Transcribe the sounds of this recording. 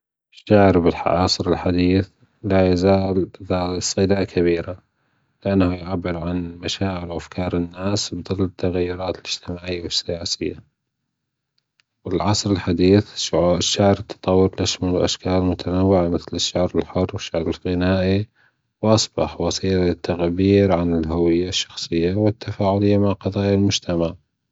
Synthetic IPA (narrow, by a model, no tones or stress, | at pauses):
ʃːaʕɾbɪlħɑsˤɾɪlħad̪iːθ | lajazaːlɪðasˤɨd̪aʔkʰaβiːɾa | lɪʔanːahujʕabːɪɾʕanmaʃaːʕɪlwʔafkʰɑːɾˤɪnːaːsbɨd̪ˤɨlːɪt̪ʰːaɣajːʊɾˤɑːt̪ɪlɪd͡ʒ̥t̪ɪmaːʕʕiwɪsːɪjaːsɪjːa | wɪlʕɑsˤɾɪlħad̪iːθʃːaʕɾt̪ʰːɑ̥t̪ˤɑwːʊɾlʔaʃmalwʔaʃkaːlmʊt̪ʰanawːɪʕamɪθlɪʃːaʕɾɪlħʊrːwɪʃːaʕɾɪlɣɪnaːʔi | wʔɑsˤbɑħwʔɑsiːɾɪt̪ːaɣbiːɾʕanɪlɦawɪjːaʃːɑxsˤɨjːawɪt̪ʰːafaːʕʊlɪjːamaʕqɑðˤɑːjalmʊd͡ʒt̪ʰamaʕ